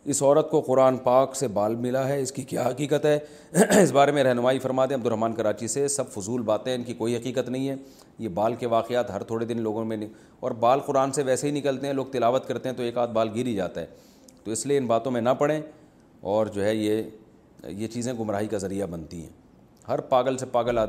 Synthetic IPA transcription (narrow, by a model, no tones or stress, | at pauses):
ɪsɔːɾət̪̚koqʊɾaːnpaːksebaːlmɪlaɦɛɪskikjaːɦɐqiːqət̪ɦɛ | ɪs̬baːɾemẽɾɛɦnʊmaːifɐɾmaːd̪ẽɐb̚d̪ʊɾɦmaːnkɐɾaːt͡ʃisesɐbfʊzuːlbaːt̪ẽɦɛ̃ɪnkikoːiɦɐqiːqət̪nɐɦĩɦɛ̃ː | jebaːlkeʋaːqɪjaːt̪ɦɐɾt̪ʰoːɽed̪ɪnloːɡõmẽnĩ | ɔːɾbaːlqʊɾaːnseʋɛːseɦinɪkəlt̪eɦɛ̃loːɡ̚t̪ɪlaːʋət̪̚kɐɾt̪eɦɛ̃t̪oeːkaːt̪̚baːlɡɪɾid͡ʒa̰ːt̪aɦɛː | t̪oɪslieɪnbaːt̪õmẽnapɐɽẽ | ɔːɾd͡ʒoːɦɛje | jet͡ʃiːzẽɡʊmɾaːɦikazɐɾijabɐnt̪ḭɦɛ̰̃ː | ɦɐɾpaːɡəlsepaːɡəlaː